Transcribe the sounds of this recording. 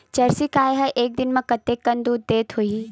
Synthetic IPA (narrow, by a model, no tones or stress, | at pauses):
t͡ɕɐɾsikaːjɦɐʔeːk̚d̪ɪnmɐ̃kɐt̪ekːɐ̃nd̪ud̪eːt̪ɦui